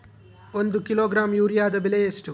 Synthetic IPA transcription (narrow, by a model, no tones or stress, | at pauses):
ond̪ukiloːɡɾaːmjuːɾijaːd̪ɐbilejesʈu